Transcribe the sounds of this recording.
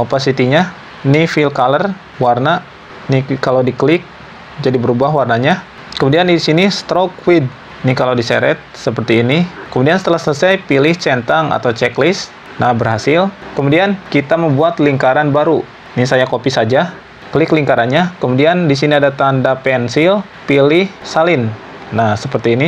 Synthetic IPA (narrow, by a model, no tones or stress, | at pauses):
opasit̪iɲa | nifilkalər | warna | nikalawdiklɪk̚ | d͡ʒadibəɾubahwarnaɲa | kəmudiandisinist̪ɾokwid̚ | nikalawdisɛ̰ɾɛt̪̚səpərt̪iːnikəmudiansə̥t̪əlahsələsajpilɪht͡ʃɛnt̪aŋa̰t̪awt͡ʃɛklɪs | nahbərɦasɪlkəmudiankit̪aməmbuat̪liŋkaɾanbaɾu | nisajakopisad͡ʒa | kəlɪkliŋkaɾanɲakəmudiandisiniadat̪andapɛnsɪl | pilɪhsalɪnː | nahsəpərt̪iːni